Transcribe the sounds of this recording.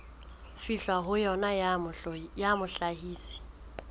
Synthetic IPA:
fiɬwaɦʊjɔna | jamʊɬaɦiːsɪ̥

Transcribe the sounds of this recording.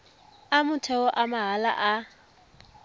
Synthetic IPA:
amʊtʰɛwɔʔamaɦala̰ʔa

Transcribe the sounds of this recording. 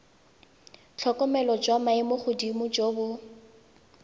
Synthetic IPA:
t͡ɬʰɔkɔmɛlɔd͡ʒwamaɪmʊχʊdimʊd͡ʒoːbʊ

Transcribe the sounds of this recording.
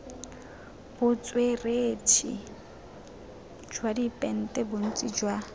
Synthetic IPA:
b̥ʊt͡sʼweretʰḭ | d͡ʒwadipʼɛn̩tʼɛbʊn̩t͡sʼid͡ʒwa

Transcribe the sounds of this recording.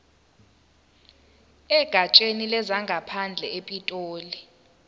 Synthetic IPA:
ɛɡ̥ʱat͡ʃʼenilɛzaŋɡʱapʰand͡ɮʱɛepʼitʼoːli

